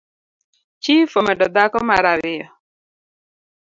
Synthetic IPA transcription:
t͡ʃifomɛdɔd̪akɔmaɾawɪjɔ

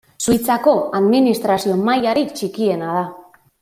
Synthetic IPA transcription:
sujt͡sako̞aðminist̪ɾasio̞majaɾit͡ʃikie̞nað̞a

